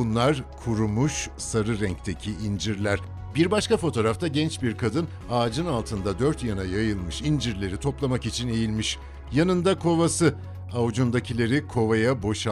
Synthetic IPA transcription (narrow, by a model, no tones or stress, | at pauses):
unlˠaɾkʰuɾumuʃsaɾɯɾɛɲc̚t̪ʰe̞cʰiːnd͡ʒiɾlʲæɾ̥ | biɾbaʃkafo̞t̪ʰo̞ːɾaft̪ʰaɟɛnt͡ʃbiɾkʰad̪ɯn | aːd͡ʒɯnalˠt̪ʰɯnd̪ad̪øɾt̪janajajɯlˠmɯʃind͡ʒiɾlʲe̞ɾit̪ʰo̞plˠamakit͡ʃʰine̞jilʲmiʃ | janɯnd̪akʰo̞vasɯ | aud͡ʒund̪acʰilʲe̞ɾikʰo̞vajabo̞ʃ